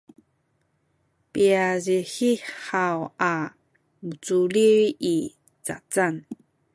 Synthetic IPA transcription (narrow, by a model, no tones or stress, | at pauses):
piaziħiħawa | mut͡suliji | t͡sa̰t͡san